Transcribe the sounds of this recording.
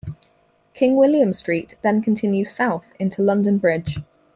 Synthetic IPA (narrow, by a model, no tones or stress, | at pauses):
kʰɪ̃ŋwɪljə̃mstɹ̥iˑʔðə̃nkʰə̃ntʰɪ̃njʉd̥saʊθɪ̃ntʰulʌ̃ndə̃nbɹɪd̥ʒ̥